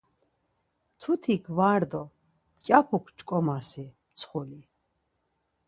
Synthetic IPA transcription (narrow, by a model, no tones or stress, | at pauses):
t̪ʰut̪ʰikʰvaɾd̪ɔ | mkʼjapʰukʰt͡ʃʼkʼɔmasi | t͡sʰχuli